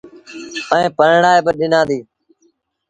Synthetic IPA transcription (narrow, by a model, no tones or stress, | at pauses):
ə̃ːpəɾɳaːeːbəɗɪnãːd̪iː